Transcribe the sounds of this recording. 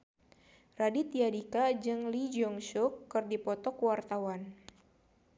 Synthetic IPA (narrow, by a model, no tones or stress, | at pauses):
radit̪iadikad͡ʒɨŋlid͡ʒɔŋʃukːɨrdipɔt̪ɔkwart̪awan